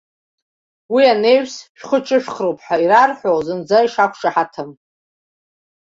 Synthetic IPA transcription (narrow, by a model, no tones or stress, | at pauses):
wiane̞jɥsʃᶣχət͡ʃʼɨʃᶣχrowpʰʼħairarħʷowzɨnd͡zaiʂakʷʰʂaħatʰɨm